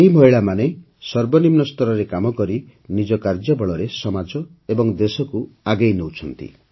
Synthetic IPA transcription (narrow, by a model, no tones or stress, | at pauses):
eɦim̤ʱɔjɭamane | sɔɾbɔnimnɔst̪ɔɾɔɾekamɔkɔɾi | nid͡ʒɔkaɾd͡ʒɔbɔɭɔɾesɔmad͡ʒɔ | ebɔŋd̪esɔkuaɡejnowt͡ʃʰɔnt̪ḭ